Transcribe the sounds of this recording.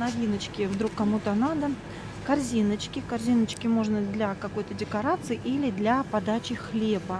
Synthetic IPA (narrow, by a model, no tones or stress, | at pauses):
nɐvʲinət͡ɕkʲɪvd̪ɾukːɐmut̪ənad̪ə | kɐrzʲinət͡ɕkʲɪkɐrzʲinət͡ɕkʲɪmo̞ʐnəd̪lʲakɐko̞jt̪ədʲɪkɐɾat̪sɨɪʔilʲɪd̪lʲɐpɐd̪at͡ɕɪxlʲe̞bə